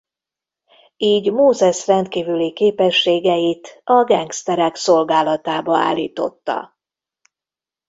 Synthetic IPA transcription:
iːɟmoːzɛʃrɛnt̪kiːvylikeːpɛʃːeːɡɛjit̪ɒɡɛŋkst̪ɛɾɛkso̞lɡaːlɒt̪aːbɒa̰ːlːḭːt̪o̞̰t̪ːɒ̰

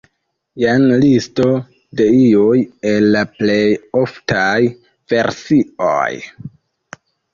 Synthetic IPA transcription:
janlisto̞ | de̞iujelːaple̞joftaj | v̥e̞ɾsio̰j

